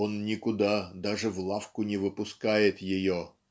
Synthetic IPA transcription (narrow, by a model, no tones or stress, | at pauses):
o̞nnʲɪkʊd̪ad̪aʐɨvlˠafkʊnʲɪvɨpʊskajɪt̪jɪjo